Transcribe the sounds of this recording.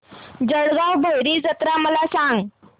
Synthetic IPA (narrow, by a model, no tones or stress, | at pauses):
d͡zəɽɡawbʱəjɾiːd͡zət̪ɾaməlasãŋɡ